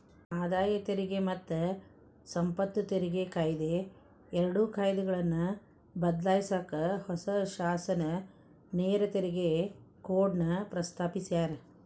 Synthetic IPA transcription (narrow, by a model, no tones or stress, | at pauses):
aːd̪aːjɐt̪eɾiɡemɐt̪ːɐ | sɐmpɐt̪ːut̪eɾiɡekʰaːjd̪e | ɛɾɐɽukʰaːjd̪ɛɡɐɭɐnːɐ | bɐd̪laːjisaːkɐhɔsɐʃaːsɐnɐ | neːɾɐt̪eɾiɡekoːɖnɐpɾɐst̪ʰaːpisijaːɾe